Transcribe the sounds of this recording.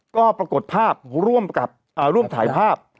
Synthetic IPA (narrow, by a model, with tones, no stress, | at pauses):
kɔː˥˩pɾa˧ko˨˩t̪̚pʰaː˥˩p̚ɾu˥˩əmka˨˩p̚ʔaː˨˩ɾu˥˩əmt̪ʰaː˩˦jpʰaː˥˩p̚